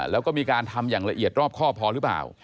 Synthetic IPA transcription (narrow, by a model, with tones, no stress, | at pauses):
lɛː˦˥wkɔː˥˩miː˧kaː˧nt̪ʰa˧mjaː˨˩ŋɾa˧ʔi˨˩ət̪̚ɾɔː˥˩p̚kʰɔː˥˩p̚ʰɔː˨˦˥ɾɯ˦˥pla̰ː˨˩w